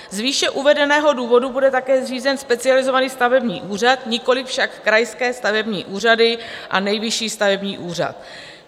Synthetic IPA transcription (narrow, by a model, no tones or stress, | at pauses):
zviːʃɛʔuvɛdɛnɛːɦo̞duːvo̞dubudɛt̪akɛːzriːzɛnspɛt͡sɪalɪzo̞vaniːst̪avɛbɲḭːʔuːr̝at̪ɲɪko̞lɪfʃakːɾajskɛːst̪avɛbɲḭːʔuːr̝adɪʔa̰nɛjvɪʃiːst̪avɛbɲiːʔuːr̝a̰t̪